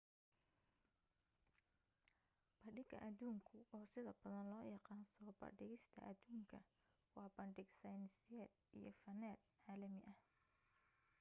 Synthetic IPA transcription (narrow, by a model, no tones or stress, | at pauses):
b̥ɐɖɪɡɐ̰ʔɐd̪uːŋkʰʊʔɔːsɪðɐbɐðɐnlɔːjɑqɑːnsɔːbɐ̰ɖɪɣɪst̪ʰɐ̰ʔɐd̪uːŋkʰɐ | wɑːbɐɳɖɪɡsɐjnsɪjɛːd̪ʔḭjɞ̰fɐnɛːd̪̚ʕaːlɐmɪʔɐh